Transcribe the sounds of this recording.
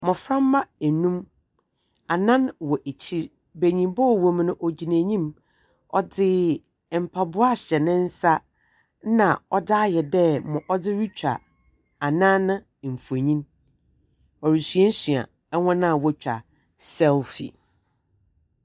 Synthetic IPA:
mɔ̃˨fɾã˦mː˦ã˦ɛ˨nũ˦m | a˨nã˦nwɔ˨ʔe˨t͡ɕʰi˦ɾ | be˨ɲĩ˨mbɔ˦˨wɔ˨m˦nʊ̃˦ʔɔ˨d͡ʑi˨nẽː˨ɲĩ˦m | ɔ̰˦dɪ˦˨ | m̩˨pʰa˨bʊ˦a˦ɕɛ˨nɪ̃˦n̩˦sa˦ | nã˨ɔ˦daː˦jɛ˨dɛ˦mɔ̃˨ʔɔ˦dɪ˦ɾi˦t͡ɕᶣa̰˨ | a˨nã˦nʊ̃˦˨m̩˨fu˨e˨ɲĩ˦n | ɔ˨ɾi˨sɥɛ˦n̩˦si˨a̰˨ | ɛ˦hɔ̃˦nã˦˨wɔ˦t͡ɕᶣa̰˨ | sɛ˦lfḭ˨

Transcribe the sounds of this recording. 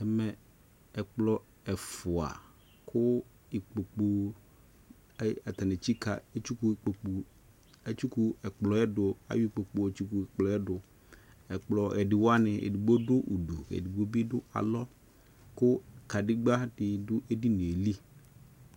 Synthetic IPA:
ɛ˨mɛ˨ | ɛ˨k͡plɔ˨ | ɛ˨fʊ˨a̰˨ | kʰʊ˦ | i˨k͡po˨k͡pu˨˦ | ɛ˨t̪a˨ne˨t͡ɕi˦ka̰˨e˦t͡ʃu˦ku˦˨k͡po˨k͡pu˨ | e˦t͡ʃu˦ku˦ɛ˨k͡plɔ˨˦ɛ˦dʊ˨a̰˨ju˦i˦˨k͡po˨k͡po˨e˨t͡ʃu˦ku˨k͡plɔ˨˦ɛ˦dʊ˨ | ɛ˨k͡plɔ˨ɛ˨dɪ˨wɔ˦a˦nɪ˨ʔḛ˨di˨ɡ͡bo˦dʊ˦ʔu˨du˨ḛ˨di˨bo˦bi˦ɖʊ˦a̰˨lɔ˦ | kʊ˦ka˨dɪ˦ɡ͡ba˦dɪ˨dʊ˦ʔe˦di˦ne˨e˨li˦

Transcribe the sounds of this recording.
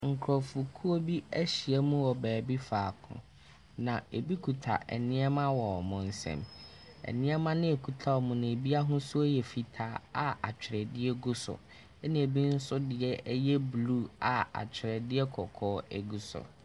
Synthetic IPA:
ŋ̩˨kʰɾɔ˨fu˨kʰu˦o˦bi˦æ˦ɕi˨ɛ˦mũ˦wɔ˨bæː˨bi˦faː˨kʰʊ̰̃˨ | nã˨e˨bi˦kʰu˨tʰa̰˨ʔɛ̰˨nɪ̃˦ɛ˦mã˦wɔ˨ɔ˨mʊ̃˨n̩˦sɛ̰̃˦˨m | ɛ̰˨nɪ̃˦ɛ˦mã˦nɪ̃˦e˨kʰu˨tʰa˦˨wɔ˨mʊ̃˨nɪ̃˨e˨bi˦a˦ɦʊ̃˦sʊ˦ɛ˦jɛ˨fi˨tʰaː˦˨˦a˨a˨t͡ɕᶣʰɪ˨ɾɛ˨dɪ˦ɛ˦ɡʊ˦sʊ̰˨ | ɛ˦nɪ̃˨e˨bi˦n̩˦sʊ˦dɪ˨ɛ˦jɛ˦bluː˦a˨a̰˨t͡ɕᶣʰɪ˨ɾɛ˨dɪ˦ɛ˦kʰɔ˨kʰɔː˦ɛ˨ɡu˨sʊ̰˨

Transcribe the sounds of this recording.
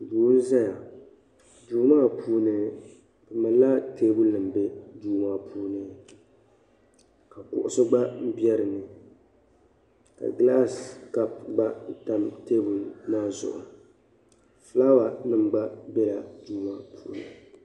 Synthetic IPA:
buː˨˦n̩˦za˦ja˨ | duː˦maː˦˨puː˦nɨ˦ | bɨ˨ma˨la˦teː˦bʊ˦lnɨ˨m˨be˦duː˦ma˦pʰuː˦nɨ˦ | ka˨kʊ̰˨ʔʊ˨sʊ˦ɡ͡ba˦m̩˦bi˦ɛ˦ɾɨ˨nɨ˨ | ka̰˨ɡla˦ska˦pɡ͡ba˦ta˦mteː˦bu˨lmaː˦zʊ̰˨ʔʊ̰˨ | fla˦wa˨nɨ˦mɡ͡ba˦bɛ˦la˨duː˦ma˦pʰuː˦nɨ̰˨

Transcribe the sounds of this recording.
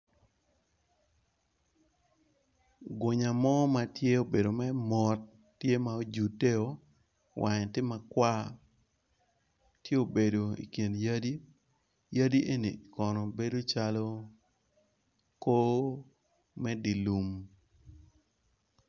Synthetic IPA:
ɡwo˨ɲa˨mɔ˦ma˨tje˦o˨be˨do˨mɛ˦mɔ˨tː | je˦ma˨o˦d͡ʒu˨te˦o˨ | wʔa˨ɲ˨tɪ˦ma˨kwa˦ | tje˦o˨be˨do˨ḭ˨kje˨nja˦di˦ | ja˦di˦ʔe˦nḭ˨kɔ˨nɔ˨be˦do˦t͡ʃa˦lɔ˦ | ko˦ | mɛ˦di˨lu˨m

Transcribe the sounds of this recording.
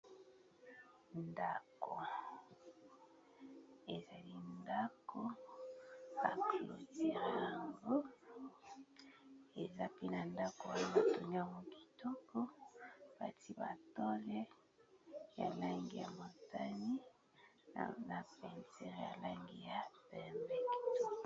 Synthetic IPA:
nda˨ko˨ | e˨za˨li˦nda˦ko˦ | b̥a̰˨plo˨ti˦ʁe˦a˨ŋɡo˦ | e˨za˦pi˦na˨nda˦ko˨wa˦o˦ba˨to˨ni˦a˨mo˨ki̥˨to˦ko˦b̥a̰˨ti˦ba̰˨to˦le˦ | ja̰˨la˦ŋɡi˦ja˨mo˨ta˦ni˦˨ | na˨pɛ˨nsɛ˦ʁja̰˨la˦ŋɡi˦ja˨bɛ˨mbɛ˦k

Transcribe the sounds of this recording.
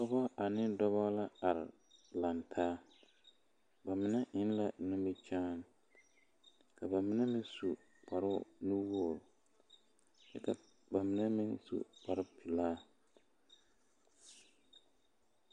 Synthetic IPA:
sɔ˦bɔ˦ʔa˨nɪ˦dɔ˦βɔ˦la˦a˨ɾɪ̰˨ | la˨ntʰaː˦ | ba˨mɪ˨nɛ˦ʔɪ˦n˦la˨nʊ˦mɪ˦t͡ʃaː˦n˦ | ka˨ba˨mɪ˨nɛ˦mɪ̃˦nsu˨ | k͡pa˨ɾʊ˦nu˦wo˦˨l | t͡ʃɛ̰˦ka˨ | ba˨mɪ˨˦nɛ˦mɪ˦nsṵ˨k͡pa˨ɾɪ˦pi˨laː˦

